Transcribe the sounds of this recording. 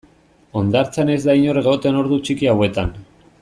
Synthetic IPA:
o̞nd̪aɾt͡sene̞zd̪aiɲo̞re̞ɣo̞t̪eno̞ɾðut͡ʃikiawe̞t̪an

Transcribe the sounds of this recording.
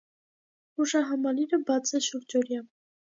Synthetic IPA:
uʃɑɦɑmɑliɾəbɑt͡sʰɛʃuɾd͡ʒɔɾjɑn

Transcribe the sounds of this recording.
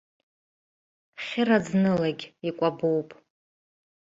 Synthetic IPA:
χʲɪɾad͡znɨlaɡʲikʷʼabowpʼ

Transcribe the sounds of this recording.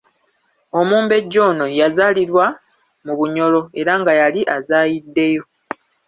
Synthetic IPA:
o̞muːmbe̞ɟːo̞ːno̞jazaːliɾwa | muβuɲo̞lo̞e̞ɾaŋɡajaliʔazaːjidːe̞jo̞

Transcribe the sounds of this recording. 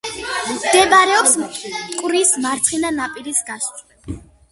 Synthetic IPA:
md̪ɛbaɾɛɔpsskʼwɾismaɾt̪sʰχinanapʼiɾisɡas

